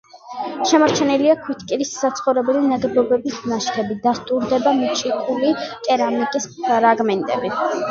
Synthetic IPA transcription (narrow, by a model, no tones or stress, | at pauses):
ʃɛmaɾt͡ʃʰɛniliakʰwit̪ʰkʼiɾisːat̪sʰχɔvɾɛbɛlinad̪bɔbɛbisnaʃkʰɛbid̪ast̪ʼuɾd̪ɛbamit͡ʃʰikʰulit̪ʼɛɾamikʼisɾaɡmɛnt̪ʼɛ̰bi